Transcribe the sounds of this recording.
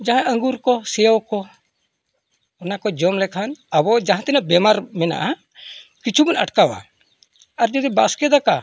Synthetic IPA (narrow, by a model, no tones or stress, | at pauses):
d͡ʒaɦãəŋɡuɾkɔsɛjawkɔ | ɔnakɔd͡ʒɔmlɛkʰanabɔd͡ʒãɦãt̪ɛnabɛmaɾmɛna̰ʔa | kit͡ʃʰubunaʈkawa̰ | aɾd͡ʒɔd̪ibaskɛd̪aka